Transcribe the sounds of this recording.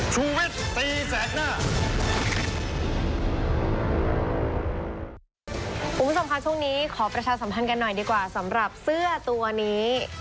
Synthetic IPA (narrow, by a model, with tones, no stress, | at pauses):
t͡ɕʰuː˧wi˦˥˩t̪̚t̪iː˧t͡ɕɛː˨˦˥t̪̚naː˥˩ | kʰo˧˩mbʰo˨˧˦mkʰa˦˥t͡ɕʰu˥˩ŋniː˦˥kʰɔː˩˦pɾa˧t͡ɕʰaː˧sa˩˦mpʰa˧nka˧nːɔ˨˩jdiː˧kwaː˨˩sa˩˦mɾa˨˩p̚sɯ˥˩ɐt̪u˧ɐniː˦˥